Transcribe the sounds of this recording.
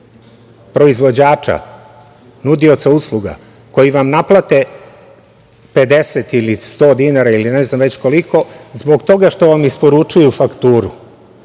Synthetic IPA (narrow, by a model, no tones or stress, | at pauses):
pɾo̞izʋo̞d͡ʑaːt͡ʃa̰ | nud̪io̞t̪sauslˠuɡa̰ | ko̞jiʋamnaplˠat̪e̞ | pe̞d̪e̞set̪ilist̪o̞ːd̪inaɾailineznamʋet͡ɕko̞liko̞zbo̞ɡt̪o̞ɡaʃt̪o̞ʋamispo̞ɾut͡ʃujufakt̪uːɾṵ